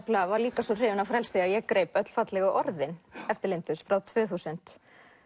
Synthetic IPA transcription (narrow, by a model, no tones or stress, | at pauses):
plavaɾliːkasɔr̥ɪːvʏnawfɾɛlsɪajɛkɾeːjpœt̪l̥fat̪lɛɣʏʔɔɾðɪnɛft̪ɪɾlejnt̪ʏsfɾawt̪ʰvʏːθuːsʏn̥t̪